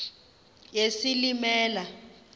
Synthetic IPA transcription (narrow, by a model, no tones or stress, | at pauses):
jesilimɛːla